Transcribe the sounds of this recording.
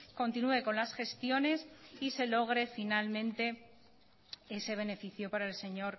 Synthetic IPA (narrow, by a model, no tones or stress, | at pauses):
ko̞nt̪inue̞ko̞nlasxe̞st̪jo̞ne̞sise̞lo̞ɣ̞ɾe̞finalmẽ̞nt̪e̞ | e̞se̞β̞e̞ne̞fiθjo̞paɾae̞lse̞ɲo̞ɾ